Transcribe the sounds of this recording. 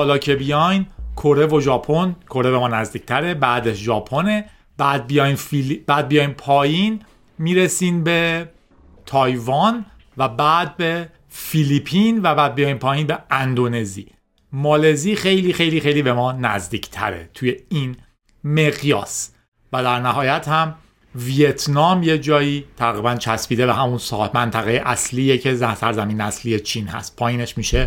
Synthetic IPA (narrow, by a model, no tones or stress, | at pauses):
ɒːlɒːcʰebijɒjnkʰoɾe̞vo̞ʒɒːpʰo̞nkʰo̞ɾe̞be̞mɒːnæzd̪iːcʰt̪ʰæɾe̞bæːd̪eʃʒɒːpʰo̞ne̞ | b̥æːd̪̚bijɒːjnfilib̥æːd̪̚bijɒːjnpʰɒːjin | miːɾesiːnbe̞ | t̪ʰɒːjvɒn | væbæːd̪̚be̞ | filipʰinvæbæːd̪̚bijɒjinpʰɒːjiːnbe̞ænd̪one̞zḭː | mɒːle̞ziːxe̞jliːxe̞jliːxejliːbe̞mɒːnæzd̪iːcʰt̪ʰæ̰ɾḛt̪ʰuje̞iːn | meɣjɒ̰ːs | væd̪æɾnæɦɒːjæt̪hæm | viet̪ʰnɒːmje̞d͡ʒɒːjit̪ʰæɣiːbænt͡ʃʰæspiːd̪e̞βæɦæmunsɒːhmænt̪ʰæɣejeʔæsliːecʰe̞zæsæɾzæmiːnæsliːjet͡ʃʰiːnhæ̰st̪̚pʰɒːjiːne̞ʃmiːʃe